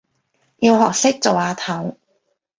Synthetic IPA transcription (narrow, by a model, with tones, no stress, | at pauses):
jiː˧wɦɔː˨k̚sɪ˥k̚t͡so˨waː˨˧t̪ʰɐ˨˥w